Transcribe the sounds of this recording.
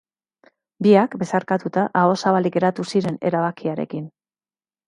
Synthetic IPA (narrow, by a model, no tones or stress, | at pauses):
biakbe̞saɾkat̪ut̪aʔao̞saβalike̞ɾat̪usiɾe̞ne̞̰ɾaβakiaɾe̞̰kin